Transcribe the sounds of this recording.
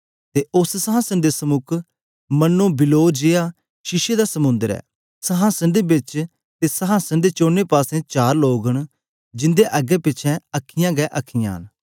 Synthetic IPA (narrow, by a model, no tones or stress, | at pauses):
t̪eːʔʊssəɦãːsənd̪eːsəmʊkʰ | mənːõːbɪloːd͡ʒɪaː | ʃɪʃed̪asəmʊ̃nd̪əɾɛ̰ː | səɦãːsənd̪eːbɪt͡ʃ | t̪eːsəɦãːsənd̪eːt͡ʃoːneːpaːsẽːt͡ʃaːɾloːɡəɳ̃ | d͡ʒɪ̃nd̪eːʔəɡɛːpɪt͡ʃʰɛ̃əkʰːɪjãːɡɛːʔəkʰːɪjã̰ːɦə̰n